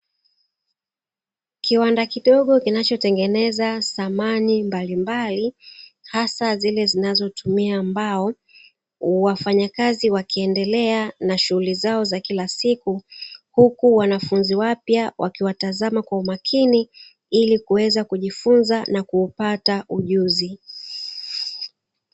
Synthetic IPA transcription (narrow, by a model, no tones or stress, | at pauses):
kiwandakiɗɔɠɔkinat͡ʃɔtɛŋɡɛnɛzasamanimbalimbalihasazilɛzinazɔtumiaːmbaɔ | wafaɲakaziwakiɛndɛlɛanaʃuhulizaɔzakilasikuhukuwanafunziwapjawʔakiwatazamakwaumakʰini | ilikuwɛzakuʄifunzanakuːpatauʄuzi